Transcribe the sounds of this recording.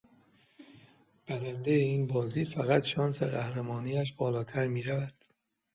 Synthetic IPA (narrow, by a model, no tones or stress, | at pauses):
b̥æɾænd̪ejeiːnbɒːziːfæɣæt̪ʃɒːnsḛɣæhɾæmɒːniːæʃ̬bɒːlɒːt̪ʰæɾmiːɾævæd̪̥